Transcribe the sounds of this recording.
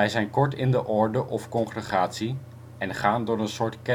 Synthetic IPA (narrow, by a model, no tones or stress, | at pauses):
ɛjzɛjnkɔɹtɪndəʔɔɹdəʔɔfkɔnχrəχaːtsi | ɛnχaːndʊːɾənsʊːɹtkɛ